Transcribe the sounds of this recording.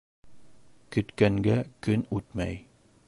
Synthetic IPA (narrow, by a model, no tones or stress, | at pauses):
kɵ̆t̪kæŋɡækɵnʉt̪mæ̰j